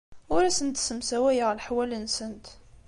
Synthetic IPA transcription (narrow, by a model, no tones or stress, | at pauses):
ʊɾæsənt̪səmsæwæjəʁlħwælənsənt̪